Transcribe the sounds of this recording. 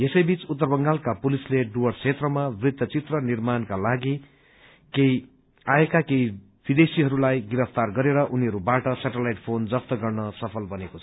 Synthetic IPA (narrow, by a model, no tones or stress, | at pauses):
jesʌjbit͡sut̪ːʌrbʌŋɡalkapulisleɖuwʌrt͡sʰet̪rʌmabrid̪ːʌt͡sit̪rʌnirmankalaɡi | kej | aekakej | b̥id̪esiɦʌɾulajɡiɾʌpʰt̪arɡʌɾeɾʌʔuniɦʌɾubaʈʌsaʈelajʈpʰond͡zʌpt̪ʌɡʌrnʌsʌpʰʌlbʌnekot͡sʰ